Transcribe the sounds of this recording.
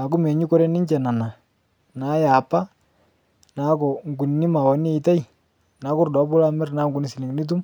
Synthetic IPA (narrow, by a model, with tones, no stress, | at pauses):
a˨kʊ˦mɛ˨ɲi˦kɔ˦ɾɛ˦nɪ˦ɲt͡ʃɛ˨na˨na˨ | na˨˦ja˨pa˦ | na˨˦kɔ˨ŋɡu˨n˨nɪ˦ma˨wɔ˨ni˦i˨ta˦j | na˨˦kʊ˦˨rdɔ˨˦pbʊ˦la˦mɛ˦rnaː˨˦ŋɡu˨ni˨si˨nɪ˨ŋni˦t̬u˦m